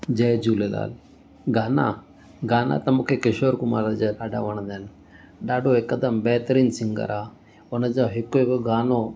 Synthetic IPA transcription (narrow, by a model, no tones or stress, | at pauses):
d͡ʒɐːd͡ʒuːled̪a̰ːl | ɡaːna̰ | ɡaːna̰ːt̪ɐmokʰekɐʃoɾkuma̰ːɾɐd͡ʒedaːɖa̰ʋɐɳd̪en | ɖaːɖoekːɐd̪ɐmbɛːt̪əɾiːnsiŋɡɐ̰ɾʔaː | onɐd͡ʒaɦikːoekɡaːno